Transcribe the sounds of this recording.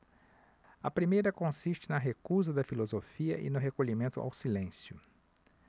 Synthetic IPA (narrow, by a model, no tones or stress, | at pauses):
ɐpɾimejɾɐkõsiʃt͡ʃɪnɐɦekuzɐd̪ɐfilozofiɐ̰ʔɪ̰nʊɦekoʎimẽnt̪ʊa̰wsilẽsjʊ